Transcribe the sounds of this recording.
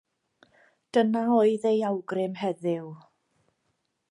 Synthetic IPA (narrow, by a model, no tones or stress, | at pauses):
d̥ənaoɨðejawɡrɪmhɛðɪw